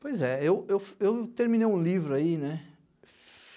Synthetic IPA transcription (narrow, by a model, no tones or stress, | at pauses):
pojzɛewewewt̪eɾmĩnejũlivɾʊainɛ